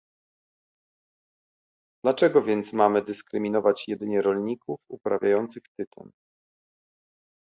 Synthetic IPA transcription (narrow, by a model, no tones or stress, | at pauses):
d̪̥lat͡ʂɛɡɔvʲjɛnt̪smamɘd̪ɘskɾɘmʲinɔvat͡ɕjɛd̪ɘɲɛɾɔlɲikufupɾavʲjajɔnt̪sɘxt̪ɘt̪ɔ̰n